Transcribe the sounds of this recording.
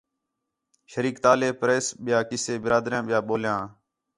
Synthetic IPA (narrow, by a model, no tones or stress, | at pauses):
ʃəɾiːkt̪aːleːpɾeːsɓɪjaːkɪseːbɪɾaːd̪ɾjãːɓɪjaːɓoːljãː